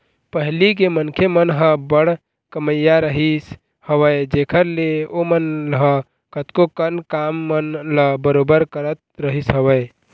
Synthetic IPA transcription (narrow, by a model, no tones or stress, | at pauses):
pəɦlikemənkʰemənɦə̃bəɽ̤ | kəməjːaɾəɦis | həwəed͡ʒekʰəɾleomənɦə̃ | kət̪kokənkamːənləbəɾobəɾkəɾət̪̚ɾəɦisɦəbəe